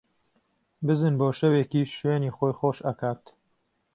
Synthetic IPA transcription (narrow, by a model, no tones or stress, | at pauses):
bɨzɨnboːʃɐweːkiːʃʃweːniːxoːjxoːʃɐ̰kaːt̪